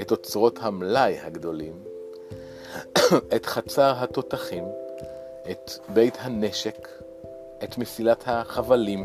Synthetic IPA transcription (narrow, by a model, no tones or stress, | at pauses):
eto̞t͡sʁo̞thamlajhaɡd̪o̞lim | etχat͡saʁɦat̪o̞t̪aχim | ʔet̪be̞jt̪hane̞ʃek | ʔet̪mesilathaχavalim